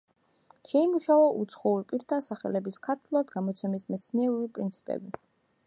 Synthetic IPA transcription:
ʃɛimuʃavɔʔut̪sʰχɔuɾipʼiɾt̪ʰasaχɛlɛbiskʰaɾt̪ʰwɛlˠad̪ɡamɔt̪sʰɛmismɛt̪sʰniɛɾubipʼɾint̪sʰi̥pʼɛ̰bi

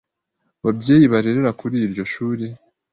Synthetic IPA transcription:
βabɟe̞ːjiβaɾe̞ɾe̞ɾakʰuɾiːɾɟo̞ʃuːɾe

